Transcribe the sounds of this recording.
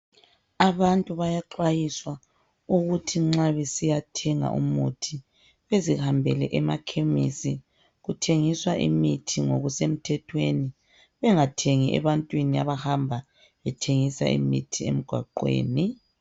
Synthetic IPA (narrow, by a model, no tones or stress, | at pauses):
aβantʼuβajaǁwajiswa | uɣutʰiŋ͡ǁaβesijatʰɛŋa̰ʔṵmutʰi | βezihambʱɛlɛ̰ʔɛma̰kʰemḭsi | ɣutʰeŋiswaʔḭmitʰiŋo̰ɣusem̩tʰɛtʰweni | βɛŋatʰeŋiʔɛ̰βantʼwinia̰βahambʱa | βɛtʰeŋisa̰ḭmḭtʰiḛm̩ɡ̥ʱwa̰ǃwḛːni